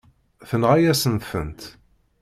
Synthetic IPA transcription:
θənʁajæsənt̪θə̰nt̪

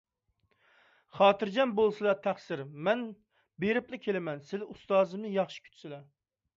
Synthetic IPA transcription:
χɑːt̪ɨɾd͡ʒɛnbolˠsɨlˠɑt̪ʰæχsɪɾmɛn | beɾɪplɪkʲʰelɪmɛnsɪlust̪ɑːzɨmnɨjɑχʃi̥kʲʰy̥t͡ʃ̪ʰsɪlɛ

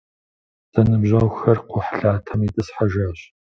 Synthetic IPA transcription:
z̥ɐnɨbʑɐwxɐrqʷʊħɬaːtʰɐmitʼɨsħaʒaːɕ

